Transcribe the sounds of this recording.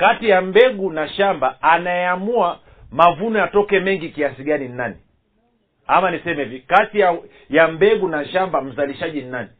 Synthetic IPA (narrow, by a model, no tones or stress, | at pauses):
katijam̩bɛɡunaʃambaːnaɛamua | mavunɔjatɔkɛmɛŋɡikiasiɡaninnani | amanisɛmɛvikatija | jambɛɡunaʃambam̩zaliʃaʄinnani